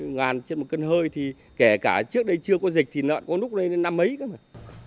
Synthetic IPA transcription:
ŋaː˨˩nt͡ɕe˧nmo˨˩t̚kə˧nɦəː˧jt̪ʰi˨˩ | kɛ˧˩kaː˧˩t͡ɕɨ˦˥k̚ɗə˧jt͡ɕɨ˧əkɔ˨˦zï˨˩k̟̚t̪ʰi˨˩nə̰ː˧˨nkɔ˨˦lʊ˦˥k͡p̚nə˧jn˧na˧mːə˨˦jka˨˦ma˨˩n

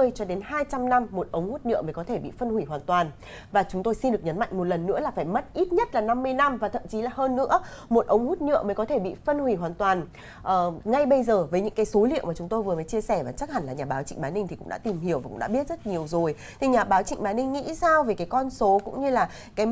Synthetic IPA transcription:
əjt͡ɕɔ˧ɗe˨˦nhaː˧jt͡ɕa˧mna˧mːo˨˩t̚ʔə˨˦wŋ͡mhu˦˥t̚ɲɨ̰˧˨məː˨˦jkɔ˨˦t̪ʰe˧˩ɓḭ˧˨fə˧nhwi˧˩ɦwaː˨˩nt̪waː˨˩n | vaː˨˩t͡ɕʊ˨˦ŋ͡mt̪o˧jsi˧nɗɨ˨˩k̚ɲə˨˦nma̰˧˨jŋ̟mo˨˩t̚lə˨˩nːɨ̰˧˥əlaː˨˩faː˧˩jmə˦˥t̚ʔi˦˥t̚ɲə˦˥t̚laː˨˩na˧mːɨ˧əjna˧mvaː˨˩t̪ʰə˧˨mt͡ɕi˨˦laː˨˩ɦəː˧nːɨ̰˧˥əmo˨˩t̚ʔə˨˦wŋ͡mhu˦˥t̚ɲɨ̰˧˨əməː˨˦kɔ˨˦t̪ʰe˧˩ɓḭ˧˨fə˧nhwi˧˩ɦwaː˨˩nt̪waː˨˩n | ʔəː˨˩ŋa˧jɓə˧jzəː˨˩vəː˨˦jɲɨ̰˧˥ŋkaː˨˦jso˨˦lḭ˧˨əwmaː˨˩t͡ɕʊ˨˦ŋ͡mt̪o˧jvɨ˨˩əfə˨˦t͡ɕi˧əsɛ˧˩vaː˨˩t͡ɕa˦˥k̚ha˨˩ŋ̟laː˨˩ɲaː˨˩ɓaː˨˦wt͡ɕḭ˧˨ŋ̟ɓaː˨˦ni˧ŋt̪i˨˩kʊ̰˧˥ŋ͡mɗa̰ː˧˥t̪i˨˩mhi˧˩əwvaː˨˩kʊ̰˧˥ŋ͡mɗ̰ːɓi˦˥ət̚zə˦˥t̚ɲi˨˩əwzo˨˩j | t̪ʰi˨˩ɲaː˨˩ɓaː˨˦wt͡ɕḭ˧ŋɓaː˨˦nï˧ŋːḭ˧˥saː˧wve˨˩kaː˨˦kɔ˧nso˨˦kʊ̰˧˥ŋ͡mɲɨ˧laː˨˩ | kaː˨˦

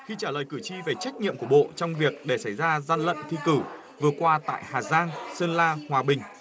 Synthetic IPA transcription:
xi˧t͡ɕaː˧˩ləː˨˩jkɨ˧˩t͡ɕi˧ve˨˩t͡ɕa˦˥k̚ɲḭ˧əmku˧˩əɓo̰˧˨t͡ɕɔ˧wŋ͡mvi˨˩ək̚ɗe˧˩sa˧˩jzaː˧za˧nlə̰˧˨nt̪ʰi˧kɨ˧˩ | vɨ˨˩əkwaː˧t̪a̰ː˧˨jhaː˨˩zaː˧ŋsə˧nlaː˧hwaː˨˩ɓï˨˩ŋ̟

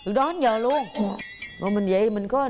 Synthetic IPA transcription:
ɨ˨˩əkɗɔ˨˦ha˨˦nɲəː˨˩lu˧ənmɔ̰˨˩mï˨˩ŋ̟və̰˧˨ʔmï˨˩ŋ̟kɔ˨˦˨

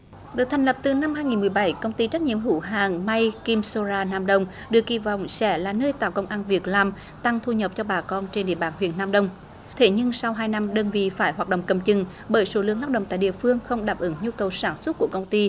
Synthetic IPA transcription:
ɗɨ˨˩ək̚t̪ʰŋ̟lə˨˩p̚t̪ɨ˨˩na˧mɦaː˧jŋi˨˩nmɨ˨˩əjɓa˧˩jkə˧wŋ͡mt̪i˧t͡ɕə˦˥t̚ɲḭ˧˨əmɦṵ˧˩˦ɦaː˨˩ŋma˧jki˧mso˧zaː˧naː˧mɗə˧wŋ͡m | ɗɨ˨˩ək̚ːi˧˩vɔ̰˧˨wŋ͡msɛ˧˥laː˨˩nəː˧jt̪a̰ː˧˨wkə˧wŋ͡mʔaː˧nvi˨˩ək̚laː˨˩m | t̪a˧ŋt̪ʰu˧ɲə˨˩p̚t͡ɕɔ˧ɓaː˨˩kɔ˧nt͡ɕe˧nɗḭ˧əɓaː˧˨˩nhwḭ˧˨ənːaː˧mɗə˧wŋ͡m | t̪ʰe˧˩˦ɲɨ˧ŋsa˧wɦaː˧jna˧mɗəː˧nvḭ˧˨faː˧˩jɦwaː˨˩t̚ɗə̰˧˨wŋ͡mkə˨˧˩mt͡ɕɨ˨˩ŋ | ɓəː˧˩jso˧˦lɨ˧˨əŋa˦˥ɗə̰˧˨wŋ͡mt̪a̰ː˧˨jɗḭ˧˨əfɨ˧əŋxə˧wŋ͡mɗaː˨˩p̚ʔɨ˧˦ŋɲu˧kə˨˩wsaː˧˩nswə˦˥t̚ku˧˩əkə˧wŋ͡mt̪i˧

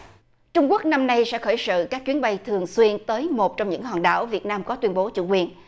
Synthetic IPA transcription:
t͡ɕʊ˧ŋ͡mku˦˥ək̚na˧mna˧jsɛ̰˧˥xəː˧˩jsɨ̰˧˨kaː˦˥k̚t͡ɕwi˨˦ənɓa˧jt̪ʰɨ˨˩əŋswi˧ənt̪əː˨˦jmo˨˩t̚t͡ɕɔ˧wŋ͡mɲɨ̰˧˥ŋɦaː˨˩nɗa̰ː˧˩wvi˨˩ət̚naː˧mkɔ˨˦t̪wi˧ənɓo˨˦t͡ɕṵ˧˨kwi˨˧˩ən

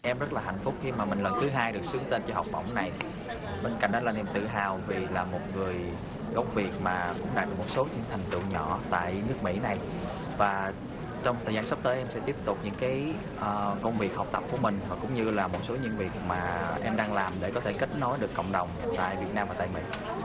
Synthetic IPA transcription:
ʔɛ˧mzə˦˥t̚laː˨˩ɦa̰˧˨jŋ̟fʊ˦˥k͡p̚xi˧maː˨˩mï˨˩ŋ̟lə˨˩nt̪ʰɨ˨˦ɦaː˧jɗɨ˨˩ək̚sɨ˨˦əŋt̪e˧nt͡ɕɔ˧ha˨˩wk͡p̚ɓə̰˧˩wŋ͡mna˨˩j | ɓe˧nka̰˧˩jŋ̟ɗɔ˨˦la˧nʔɛ˧˩mt̪ɨ̰˧˨ɦaː˨˩wvi˨˩laː˨˩mo˨˩t̚ŋɨ˨˩əj | ɣə˨˦wŋ͡mvi˨˩ək̚maː˨˩kʊ̰˧˥ŋ͡mɗaː˨˩ɗɨ˨˩mo˨˩t̚so˨˦ɲɨ̰˧˥ŋt̪ʰɛ˨˩jŋ̟t̪ɨ̰˧˨ɲɔ̰˧˩˨t̪a̰ː˧˨jnɨ˦˥ək̚mḭ˧˥na˨˩j | vaː˨˩ | t͡ɕɔ˧wŋ͡mt̪ʰəː˨˩zaː˧nsa˦˥p̚t̪əː˨˦jʔɛ˧msɛ̰˧˥t̪i˦˥əp̚t̪ʊ˨˩k͡p̚ɲɨ̰˧˥ŋkaː˨˦j | ʔəː˨˩kə˧wŋ͡mvi˨˩ək̚ha˨˩wk͡p̚t̪ə˨˩p̚ku˧˩əmï˨˩ŋ̟vaː˨˩kʊ̰˧˥ŋ͡mɲɨ˧laː˨˩mo˨˩t̚so˨˦ɲə˧nvi˨˩ək̚maː˨˩ʔɛ˧mɗaː˧ŋlaː˨˩mɗe˧˩kɔ˨˦t̪ʰe˧˩ki˦˥k̟̚nɔ˨˦jɗɨ˨˩əkːə̰˧˨wŋ͡mɗə˨˩wŋ͡mt̪a̰ː˧˨jvi˨˩ət̚naː˧mva̰ː˨˩˧jmḭ˧˥

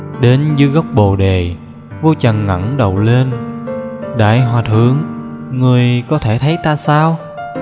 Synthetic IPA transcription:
ɗe˨˦nzɨ˧ɣa˦˥wk͡p̚ɓo˨˩ɗe˨˩ | vo˧t͡ɕə˨˩nŋə̰˧˩nɗə˨˩wle˧n | ɗa̰ː˧˩jɦwaː˨˩t̪ʰɨ̰˧˨əŋː | ɨ˨˩əjkɔ˨˦t̪ʰe˧˩t̪ʰə˨˦jt̪aː˧saː˧w

